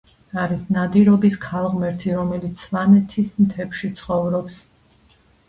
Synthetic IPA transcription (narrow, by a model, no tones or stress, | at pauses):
aɾisnad̪iɾɔbiskʰalˠʁmɛɾt̪ʰiɾɔmɛlit̪sʰvanɛt̪ʰismt̪ʰɛpʃit̪sʰχɔvɾɔps